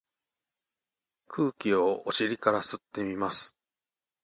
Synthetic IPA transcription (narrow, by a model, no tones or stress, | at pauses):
kʰɯːkʲio̞oɕiɾʲikaɾasɨt̪ːe̞mʲimasɨ̥